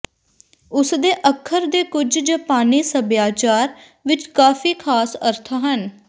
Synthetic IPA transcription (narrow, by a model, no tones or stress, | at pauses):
ʊsd̪eːʔəkʰːəɾd̪eːkʊd͡ʒd͡ʒəpaːniːsəbjaːt͡ʃaːɾ | ʋɪt͡ʃkaːfʰiːkʰaːsəɾt̪ʰaɦən